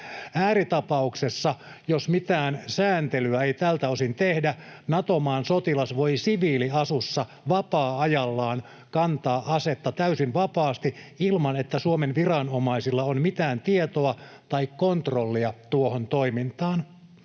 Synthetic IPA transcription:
æːɾit̪ɑpɑuksesːɑ | josmit̪æːnsæːnt̪elyæeit̪ælt̪æosint̪ehdænɑt̪omɑːnsot̪ilɑsʋo̞isiʋiːliɑsusːɑ | ʋɑpɑːɑjɑlːɑːn | kɑnt̪ɑːʔɑset̪ːɑt̪æysinʋɑpɑːst̪iilmɑnet̪ːæsuomenʋirɑnomɑisilːɑonmit̪æːnt̪iet̪oɑt̪ɑikːont̪rolːiɑt̪uohont̪oimint̪ɑːn

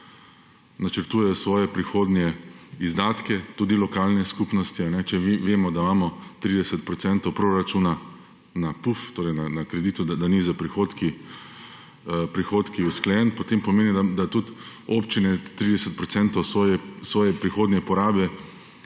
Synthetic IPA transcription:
nat͡ʃəɾt̪uːjɛjɔsʋɔːjɛpɾixoːd̪njɛizd̪aːt̪kɛt̪uːd̪ilɔkaːlnɛskupnɔst̪ianɛt͡ʃɛʋʋeːmɔd̪aimaːmɔt̪ɾid̪ɛsɛt̪̚pɾɔt̪sɛnt̪owpɾoɾat͡ʃuːna | napuft̪oːɾɛjnanakɾɛd̪iːt̪ud̪ad̪anizapɾixoːt̪ki | pɾixoːt̪kiusklɛjɛnpɔt̪eːmpɔmeːnid̪ad̪at̪ut̪opt͡ʃinɛt̪ɾid̪ɛsɛt̪̚pɾɔt̪sɛnt̪ɔwsɔːjɛsʋɔːjɛpɾixoːd̪njɛpɔɾaːbɛ

